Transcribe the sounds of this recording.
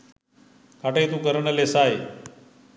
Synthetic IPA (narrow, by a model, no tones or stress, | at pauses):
kaʈejt̪ũːkəɾəɳəlesaːj